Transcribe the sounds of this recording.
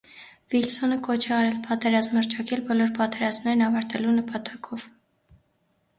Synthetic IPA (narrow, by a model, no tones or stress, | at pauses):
vilsɔnəkɔt͡ʃʰɛɑɾɛlpʰɑt̪ɛɾɑzməɾt͡ʃʰɑkʰɛlbɔlɔɾpɑt̪ɛɾɑzmnɛɾnɑvɑɾt̪ɛlunəpɑt̪ɑkʰɔv̥